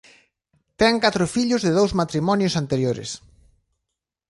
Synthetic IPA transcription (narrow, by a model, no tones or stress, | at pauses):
t̪ɛŋkat̪ɾʊfiʎʊzðɪðowzmat̪ɾimɔnjʊsant̪eɾjoɾɪ̰s